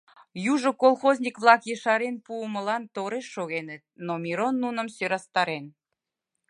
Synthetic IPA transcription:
juʒŏkolˠxozʲnʲikβlˠɑkjəʃɑɾenpuəmə̆lɑnt̪oɾeʃːoɣenə̆t̪̚nomiɾonːunə̆msøɾɑst̪ɑɾen

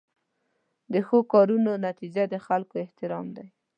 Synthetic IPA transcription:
d̪əxokɑɾunonat̪id͡ʒad̪əxalkoɪht̪ɪɾɑmd̪aj

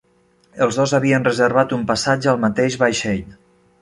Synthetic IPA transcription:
əlˠzðozaβiənrəzəɾβat̪umpasad͡ʒəːlˠmat̪eʒβajʃɛʎ

